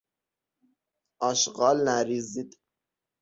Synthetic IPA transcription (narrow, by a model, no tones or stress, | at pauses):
ɒʃɢɑːlnæɾiːzid̪